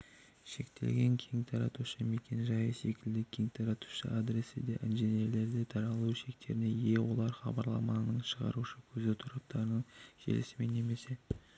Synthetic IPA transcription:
ʃe̞̰kt̪ʰe̞lɡʲe̞ŋkʲʰeŋt̪ʰɑɾɑ̰t̪uʃəme̞kʲʰe̞nʒɑjəse̞kʲɪld̪ɪkʲʰe̞ŋt̪ʰɑɾɑt̪u̥ʃə̰ad̪ɾe̞sɪd̪eʔɪnʒenije̞ɾle̞ɾd̪et̪ʰɑɾɑlˠuʃe̞k̚t̪ʰe̞ɾɪne̞je̞wo̞lˠɑɾχɑ̰bɑɾlˠɑ̰mɑnəɴʃəʁɑ̰ɾuʃəkʲʰɵzɪt̪ʰʊɾɑp̚t̪ɑɾənəɴkʰḛlɪsɪme̞nːe̞me̞se̞

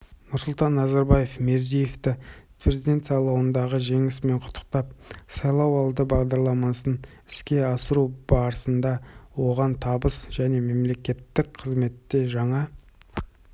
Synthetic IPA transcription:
nʊɾsʊlˠt̪ɑnːɑzɑɾbɑje̞fme̞ɾzije̞ft̪ɪ | pɾezid̪ʲe̞nt̪sɑjlˠɑwənd̪ɑʁəʒe̞ŋɪsme̞ɴqʰʊ̥t̪ʰːə̥qt̪ɑp̚sɑjlˠɑwɑlˠd̪əbɑʁd̪ɑɾlˠɑmɑsən | ɪskʲe̞ɑsəɾubɑɾəsənd̪ɑwo̞ʁɑnt̪ʰɑbəsʒ̥æne̞me̞mle̞kʲe̞t̪ːɪk̚qʰəzme̞t̪ːe̞ʒɑɴɑ

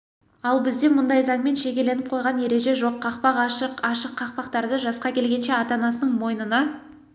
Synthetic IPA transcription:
ɑlˠbɪzd̪e̞mʊnd̪ɑjzɑɴme̞nʃe̞kʲe̞le̞nɪp̚qʰo̞jʁɑnje̞ɾe̞ʒe̞ʒo̞qʰːɑqpɑqɑʃəqɑʃəqʰːɑqpɑqt̪ɑɾd̪əʒɑsqɑkʲʰe̞lɡʲe̞nʃe̞ɑt̪ɑnɑsənəɴmo̞jnənɑ

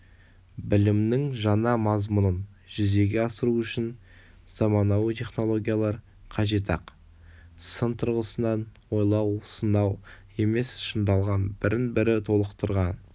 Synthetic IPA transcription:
bɪlɪmnɪŋʒɑnɑmɑzmʊnən | ʒ̥ʏze̞ɡʲe̞ɑsəɾuʏʃɪn | z̥ɑmɑnɑwət̪ʰe̞χno̞lˠo̞ɡʲijalˠɑɾ | qʰɑʒe̞t̪ʰɑq | sənt̪ʰʊɾʁəsənɑnwo̞jlˠɑwsənɑw | e̞me̞sʃənd̪ɑlˠʁɑnbɪɾɪnbɪɾɪt̪ʰo̞lˠəqt̪əɾʁɑn

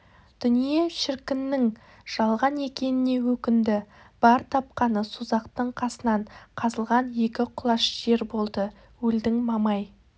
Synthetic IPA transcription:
d̪̥ʏnije̞ʃɪɾkʲɪnːɪŋ | ʒ̥ɑlˠʁɑne̞kʲe̞nɪne̞wɵkʲɪnd̪ɪ | b̥ɑɾt̪ʰɑp̚qɑnəsuzɑqt̪əɴqʰɑsənɑɴqʰɑzəlˠʁɑnje̞kʲɪqʰʊlˠɑʃʒ̥e̞ɾbo̞lˠd̪ə | wɵld̪ɪŋmɑmɑj

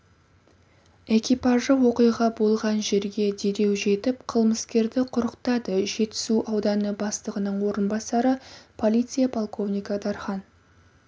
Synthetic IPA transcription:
e̞kʲijpɑʒəwo̞qəjʁɑbo̞lˠʁɑnʒe̞ɾɡʲe̞d̪e̞ɾe̞wʒe̞t̪ɪpqʰəlˠməskʲe̞ɾd̪ɪqʰʊɾəqt̪ɑd̪əʒe̞t̪ɪ̥suʔɑwd̪ɑnəbɑst̪əʁənəɴwo̞ɾənbɑsɑɾəpʰo̞lʲijt̪sɨjapʰolˠkʰo̞vnijkad̪ɑɾχɑn

